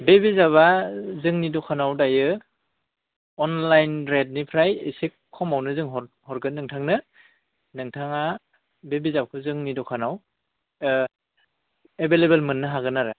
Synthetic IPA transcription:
bebizaβazɯŋnidɔkʰanawdajɯ | ɔnlajnɾed̚nipʰɾajḛsikʰːɔmawnɯzɯŋɦɔ | hɔɾɡɯnɯŋtʰaŋnɯ | nɯŋtʰaŋa | bebizap̚kʰɯzɯŋnidɔkʰanaw | ebelebelmɯnːɯɦaɡɯnaɾɯ

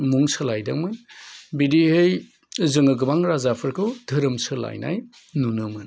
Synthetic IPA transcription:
muŋsɐlajdamɯnbidiɦɯj | zɯŋɯɡɯbaŋɾazapʰɯɾkʰɯwdʱɐɾɐmsɯla̰jna̰j | nunɯmɯn

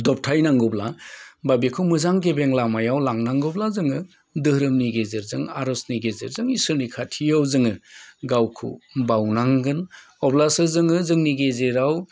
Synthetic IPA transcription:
dɔp̚tʰajnaŋɡɔblababikʰɯwmɯzaŋɡebeŋlamajawlaŋnaŋɡɔblazɯŋɯ | dɯhɾɯmniɡezeɾzɯŋaɾɔsniɡezeɾzɯŋisɯɾnikʰatʰijawzɯŋɯɡawkʰṵbawnaŋɡɯn | ɔblasɯzɯŋɯzɯŋniɡezeɾaw

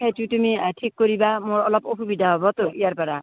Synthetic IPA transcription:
kʰet͡ʃʰut̪umiʈʰikːɔɾibamoɾɔlɔpopubid̪ʱaɦɔbɔt̪oijaɾpɔɾa

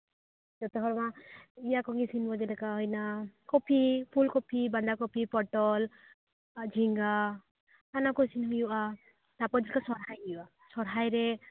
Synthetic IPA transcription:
d͡ʒɔt̪ɛɦɔɾmaijakɔŋɡisinbɔd͡ʒɛlɛkaɦɔjnakɔpʰipʰulkɔpʰiband̪akɔpʰipɔʈɔl | d͡ʒʱiŋɡa | anakɔsinɦujuʔa | t̪apɔd͡ʒilkasɔɾɦajijua | sɔɾɦajɾe

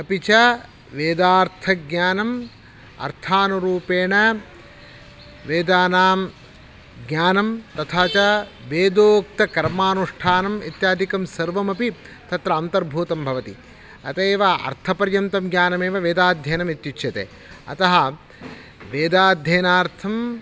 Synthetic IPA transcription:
ɐpit͡ʃɐ | ʋeːd̪aːɾt̪ʰɐɡɲaːnɐm | ɐ̰ɾt̪ʰaːnuɾuːpeːɳɐ | ʋeːd̪aːnaːm | ɡɲaːnɐmt̪ɐt̪ʰaːt͡ʃɐʋeːd̪oːk̚t̪ɐkɐɾmaːnuʂʈʰaːnɐmḭt̪jaːd̪ikɐmsɐɾʋɐmɐpi | t̪ɐt̪ɾɐːnt̪ɐɾbʱuːt̪ɐmbʱɐʋɐt̪ḭ | ɐ̰t̪eːʋɐɐ̰ɾt̪ʰɐpɐɾjɐmt̪ɐmɡɲʲjaːnɐmeːʋɐʋeːd̪aːd̪ʱjeːnɐmit̪jut͡ʃʰːjɐt̪ḛː | ɐ̰t̪ɐɦɐ | ʋeːd̪aːd̪ʱjeːnaːɾt̪ʰɐm

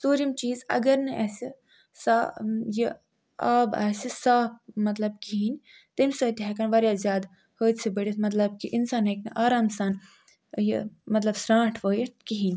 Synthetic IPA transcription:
suːɾimt͡ʃiːzɐ̰ɡɐɾnɨʔɐsi | saji | aːba̰ːsisaːp̚mɐt̪lɐbkiɦinʲ | t̪imʲsəːt̪ʲɦɛkɐnʋɐɾʲjaːzʲjaːd̪ | həːt̪ʲsɨbəɽʲit̪mɐt̪̬lɐb̚kiʔinsaːnɦeknɨʔaːɾaːmsaːn | jimɐt̪lɐbsɾãːʈʰʋəːjit̪kiɦinʲ

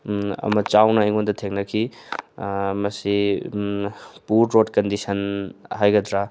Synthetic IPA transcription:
ɐ̰mɐt͡ʃawnɐiŋondɐtʰeŋnɐkʰi | mɐsi | puɾɾodkɐndisɐnhajɡɐdɾa

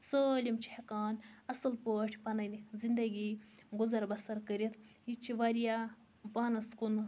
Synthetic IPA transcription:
səːlʲimt͡ʃʰi̥hekaːnɐsɨlpoːʈʰʲpɐnɐnʲzind̪ɐɡiːɡuzɐɾbɐsɐɾkəɾit̪ʰit͡ʃʰiʋaɾija | paːnɐskun

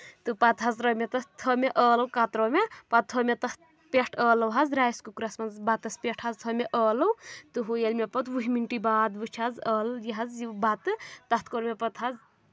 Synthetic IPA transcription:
t̪ɨpat̪ɦazɾɐmet̪ɐst̪ʰəmeʔəːlɐwkat̪ɾomepat̪̚ʰomet̪ɐht̪̚ | pʲeʈʰəːlɐwɦazɾajskukɾasmɐnzbat̪ɐspeʈʰazt̪ʰomeʔəːlɐwt̪ɨɦojelmepɐt̪wuɦimiɳʈibaːd̪bɨt͡ʃʰazəːljiɦɐzibat̪ɨt̪ɐht̪koɾmʲepɐt̪ɦaz

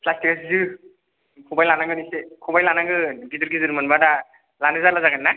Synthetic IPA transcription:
pʰlastikasizɯ | kʰubajlanaŋɡɯnisekʰubajlanaɡɯɡiduɾɡizɯɾmanbada | lanɯzalazaɡanːa

